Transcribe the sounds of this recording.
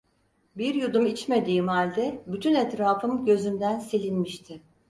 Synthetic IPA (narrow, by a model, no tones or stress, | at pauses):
biɾjud̪umit͡ʃme̞d̪iːmhalʲd̪ɛbyt̪ʰynɛt̪ɾaːfɯmɟø̞zymd̪ænselʲinmiʃt̪ʰɪ